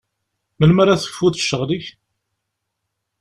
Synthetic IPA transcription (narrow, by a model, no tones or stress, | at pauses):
məlmaɾaθə̥fːuθʃːəʁliç